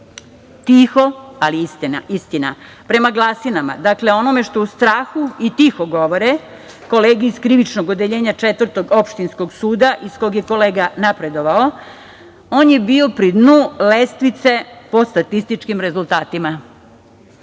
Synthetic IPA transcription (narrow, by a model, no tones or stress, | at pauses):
t̪ixo̞aliist̪ina̰ist̪ina | pɾe̞maɡlˠasinama̰d̪akleo̞nome̞ʃt̪o̞ust̪ɾaːxuit̪ixoɡo̞ʋoɾe | ko̞leːɡiiskɾiʋit͡ʃnoɡod̪eʎeːɲat͡ʃet̪ʋər̩ɾt̪o̞ɡo̞pʃt̪insko̞ɡsuːd̪aʔisko̞joɡje̞ko̞leːɡanapɾe̞d̪o̞ʋao̞ | o̞ːnje̞bio̞pɾid̪nulest̪ʋit̪se̞po̞st̪at̪ist̪it͡ʃkimɾe̞zulˠt̪aːt̪ima